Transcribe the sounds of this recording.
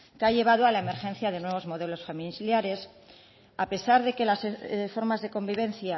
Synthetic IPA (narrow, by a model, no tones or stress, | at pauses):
kaʎe̞β̞að̞oalaeme̞ɾxe̞n̟θjað̞e̞nwe̞β̞o̞zmo̞ðe̞lo̞sfemiljaɾe̞s | ape̞saɾðe̞ke̞lasfo̞ɾmazðe̞ko̞mbiβ̞e̞nθja